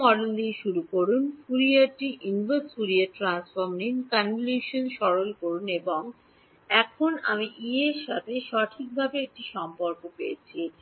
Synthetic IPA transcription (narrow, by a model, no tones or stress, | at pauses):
ɔɖond̪iʃuɾukoɾunfuɾiaɾʈiʔinbəsfuɾiaʈɾansfoɾmninkanluʃonʃɔɾolkoɾuneboŋ | ɛkʰona̰miʔieʃat̪ʰeʃɔʈʰik̚bʱabeek̚ʈiʃɔmpoɾkopejet͡ɕʰi